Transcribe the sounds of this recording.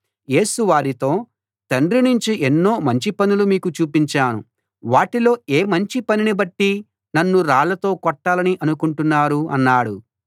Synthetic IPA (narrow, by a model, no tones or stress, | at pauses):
je̞ːsuʋaːɾit̪o̞ː | t̪ɐnɖɾinuɲt͡ʃiʔenːo̞ːmɐɲt͡ʃipɐnulumiːkut͡ʃuːpiɲt͡ʃaːnṵ | ʋaːʈilo̞ːe̞ːmɐɲt͡ʃipɐninibɐʈːi | nɐnːuɾaːɭɐt̪o̞ːkɔʈːaːlɐniʔɐnukuɳʈunːaːɾuɐ̰nːaːɽu